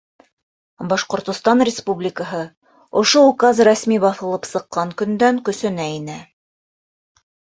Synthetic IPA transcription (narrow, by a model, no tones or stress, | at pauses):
bɑʃqŏɾt̪ŏst̪ɑnrʲɪspublʲɪkəɦɤ | ŏʃoukazræsmibɑθɤ̆lˠɤpsɤ̆qːɑŋkɵ̆nd̪æŋkɵ̆sɘ̆næinæ